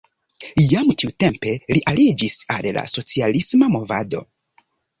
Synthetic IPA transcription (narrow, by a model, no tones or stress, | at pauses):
jamtiute̞mpe̞liʔalid͡ʒisalla̰so̞t͡sialismamo̞va̰do̞̰